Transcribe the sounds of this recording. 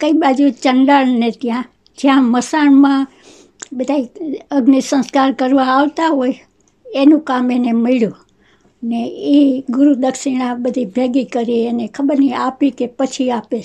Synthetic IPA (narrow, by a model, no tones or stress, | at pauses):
kəibad͡ʒut͡ʃənɖaɭnet̪jã | d͡ʒjãməsaɳmã | bəd̪ʱaiəɡnisə̃nskaɾkəɾʋãːʋt̪aɦoj | enũkamenemeɭjũ | əneiɡʊɾud̪əkʃiñãbəd̪ʱibʱeɡikəɾienekʰəbəɾniapikepət͡ʃʰiape